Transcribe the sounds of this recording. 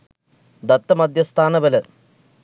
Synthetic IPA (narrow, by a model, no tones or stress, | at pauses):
d̪ɐt̪ːɐmɐd̪ʱjɐst̪ʰaːnɐʋɐlɐ